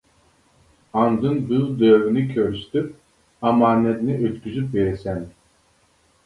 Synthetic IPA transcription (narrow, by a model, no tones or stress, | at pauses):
and̪ɯnbylˠd̪øːvynikʲʰøɾyʃt̪yp | amanːed̪iniʔøt̪kʲyzypveɾisɛn